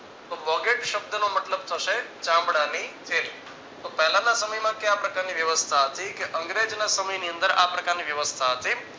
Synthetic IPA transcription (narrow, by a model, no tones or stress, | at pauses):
t̪obɔɡeʈʃəb̚d̪ənomət̪ləb̚t̪ʰəʃet͡ʃãmbɽanit͡ʃʰe | t̪opɛɦlãnasəməjmãkeapɾəkaɾniʋjəʋəst̪ʰaɦət̪ikeʔə̃ŋɡɾed͡ʒnasəməjniə̃nd̪əɾapɾəkaɾniʋjəʋəst̪ʰaɦət̪i